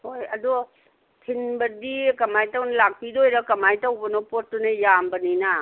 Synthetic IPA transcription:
hojɐdu | tʰinbɐdikɐmajtawnɐlak̚pidojɾɐkɐmajtawbɐnopot̚ːunɐjambɐnina

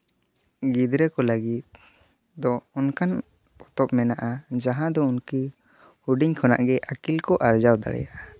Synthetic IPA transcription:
ɡid̪ɾɛkɔləɡit̪̚ | d̪ɔɔnkan | ɔt̪ɔp̚mɛnaʔad͡ʒaɦãd̪ɔunki | huɖiɲkʰɔna̰ʔɡɛʔakilkɔʔaɾd͡ʒawd̪a̰ɽɛ̰jaʔa

